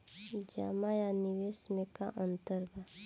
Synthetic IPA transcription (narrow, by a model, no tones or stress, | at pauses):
d͡ʒa̰majaniʋesmeka̰ʔənt̪əɾɡa